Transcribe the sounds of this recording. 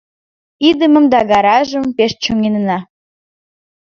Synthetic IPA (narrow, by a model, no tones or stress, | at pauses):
id̪əməmd̪ɑɡɑɾɑʒəmpeʃt͡ɕoŋennɑ